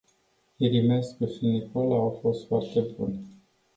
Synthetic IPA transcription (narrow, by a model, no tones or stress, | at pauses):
iɾimeskuʃinikolaːwfo̞st̪foart̪e̞bṵn